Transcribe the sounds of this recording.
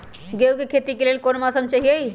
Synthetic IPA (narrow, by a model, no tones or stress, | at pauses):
ɡewkekʰet̪ikelelkonmasəmt͡ʃaɦiei